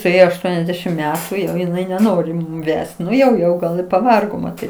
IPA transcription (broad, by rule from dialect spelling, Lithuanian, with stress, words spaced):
sʊˈeːjoː ɐʃˈtuɔnʲɛzʲˌdʲæːʃʲɪm ˈmʲæːtʊ ˈjɛʊ ɪˈnɐɪ nʲɛˈnoːrʲɪ ˈʋʲɛst ˈnʊ jɛʊ jɛʊ ˈɡɐlˠ ɪ pɐˈʋɐrɡoː mɐˈtʲiːt